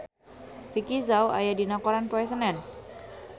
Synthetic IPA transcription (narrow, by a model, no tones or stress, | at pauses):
fikizawa̰jadinakɔɾanpɔɛsənɛn